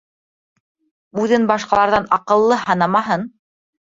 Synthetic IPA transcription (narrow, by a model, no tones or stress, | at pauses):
ʉðɘnbɑʃqɑlˠɑɾðɑnɑqɤ̆lˠːɤhɑnɑmɑɦɤn